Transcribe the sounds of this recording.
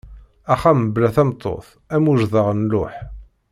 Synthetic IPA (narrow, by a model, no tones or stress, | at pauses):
æχamblæθæmt̪ˤːo̰θ | æmuʒðəʁnlʊħ